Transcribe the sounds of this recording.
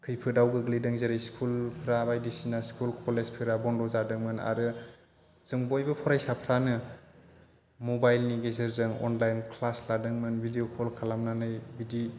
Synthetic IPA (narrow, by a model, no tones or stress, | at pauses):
kʰɯjpʰɯdawɡɯɡlidɯŋzeɾajskʰulpʰɾabajdisinaskʰulkʰɔlezpʰɯɾabɔndɔzadɯŋmɯna̰ɾɯ | z̥ɯŋbojbɯpʰɔɾajsapʰɾanɯ | mobajlniɡezeɾzɯŋɔ̰nlajnkʰlasladɯŋmɯnbidiokʰɔlkʰalamnanɯjbidi